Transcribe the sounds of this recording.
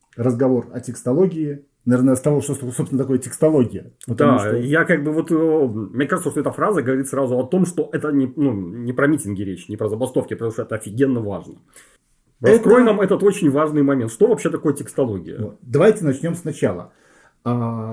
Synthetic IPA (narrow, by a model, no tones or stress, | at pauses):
rəzɡɐvo̞rɐtʲɪkst̪ɐlˠo̞ɡʲɪɪ | nɐvʲernəst̪ɐvoʂt̪ot̪sopsʲnt̪ɐko̞jətʲɪkst̪ɐlˠo̞ɡʲɪjəvot̪d̪aijakaɡ̚bɨvo̞t̪mnʲekaʐɨt̪səʂt̪oɛt̪əfɾazəɡəvɐɾit̪sɾazʊɐt̪o̞mʂt̪o̞ʔɛt̪ənʲɪnunʲɪpɾɐmʲitʲɪnɡʲɪɾʲet͡ɕnʲɪpɾəzəbɐst̪o̞fkʲɪpɾt̪oʂt̪oɛt̪əɐfʲɪɡʲenːəva̰ʐnə | ɾɐskɾo̞jnamɛt̪ət̪o̞t͡ɕɪnʲvaʐnɨjmɐmʲent̪ʂt̪ovɐpɕːet̪ɐko̞jətʲɪkst̪ɐlˠoɡʲɪ̰jə̰vot̪d̪ɐvajtʲɪnɐt͡ɕnʲo̞msnɐt͡ɕalˠə̰ | a